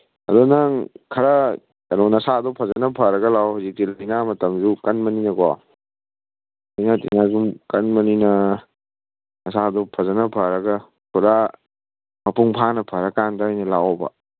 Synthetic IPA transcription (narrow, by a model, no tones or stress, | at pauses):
ɐ̰dɔnɐŋkʰɐɾɐ | anɔnɐsadɔpʰɐzɐnɐpʰɐɾɐɡɐlawɦawzik̚tilajnamɐtɐmzukɐnmɐninɐkɔ̰ | ajnatḭnazumkɐnmɐninɐ | nɐsadɔpʰɐzɐnɐpʰɐɾɐɡɐ | kʰuɾa | mɐpuŋpʰanɐpʰɐɾakandɐajnɐlawbɐ̰